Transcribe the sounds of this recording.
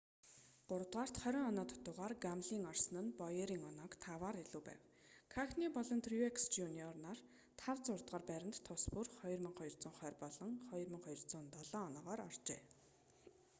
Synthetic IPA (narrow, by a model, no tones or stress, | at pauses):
ɢ̥ʊɾə̆t̪ʁaːr̥t̪χœɾʲɞŋɔnɔːt̪ʰʊ̥t̪ʊʁaːrɡamɮiːŋɔrsə̆nə̆npɔjeɾiːŋɔnɔːkt̪ʰawaːɾiɮuːpæ̰ːw | kʰaxniːpɔɮɞ̆nt̪ʰriekst͡ɕuniɔrnar | t̪ʰawt͡sʊrt̪ʁaːrpæɾʲɪ̆nt̪ʰːʊspurχɔjrmə̆ŋχɔjɞ̆r̥t͡sʊːɴχœːrpɔɮɞ̆ŋχɔjrmə̆ŋχɔjɞ̆rt͡sʊːnt̪ɔɮɔːnɔːʁɔːɾɔr̥t͡ɕḛː